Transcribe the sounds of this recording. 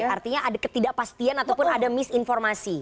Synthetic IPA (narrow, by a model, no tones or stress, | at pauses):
art̪iɲaʔadakət̪idaʔpast̪ianat̪awwpʊnadamɪsinfɔrmasi